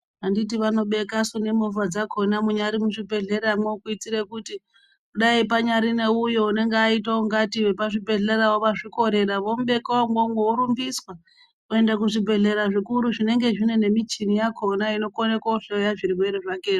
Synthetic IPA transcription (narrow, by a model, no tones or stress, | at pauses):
andit̬iʋano̞ɓe̞kasune̞movad͡zakʰo̞namuɲaɾimuʐibʱe̞ɮe̞ɾamweukuit͡siɾe̞kuti | kuɗaipaɲaɾineujo̞une̞ŋɡeait̬auŋɡatiʋe̞paʐibʱe̞ɮeɾawoʋaʐiko̞ɾe̞ɾaʋo̞muɓe̞kaomɡomɡouɾumbiswa | ue̞ndak̬uʐibʱe̞ɮe̞ɾaʐikuɾuʐine̞ŋɡe̞ʐine̞ne̞mit͡ʃinijakʰo̞naino̞konekwaɬojaʐiɾiwe̞ɾeʐakeːi